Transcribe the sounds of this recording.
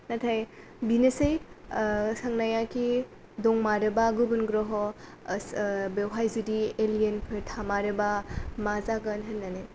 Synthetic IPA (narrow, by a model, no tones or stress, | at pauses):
natʰaj | binesej | sɐŋnajakʰi | dɔŋmaɾɯbaɡubunɡɾɔɦɔsbewɦajzidielijenpʰɯɾtʰamaɾɯbamazaɡɐnɦɐnːane